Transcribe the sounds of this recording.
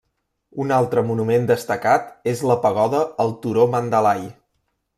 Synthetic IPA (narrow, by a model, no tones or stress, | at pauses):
unalˠt̪ɾəmunumend̪əst̪əkat̪ezləpəɣ̞ɔðəːlˠt̪uɾomənd̪əlaj